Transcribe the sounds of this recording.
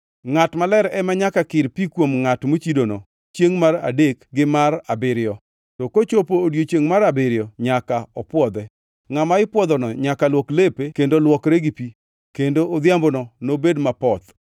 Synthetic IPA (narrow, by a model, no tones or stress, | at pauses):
ŋatmalɛɾɛmaɲakakɪɾpikwomŋatmot͡ʃidonɔ | t͡ʃjeŋmara̰dekɡɪmarabɪɾɪjɔ | tɔkot͡ʃopoːdjot͡ʃjeŋmaɾabɪɾjɔɲakaɔpwɔd̪ɛ | ŋamaɪpwɔd̪ɔnɔɲakalwɔklepekendolwɔkɾeɡipi | kendoːd̪jambonɔnobedmapɔt̪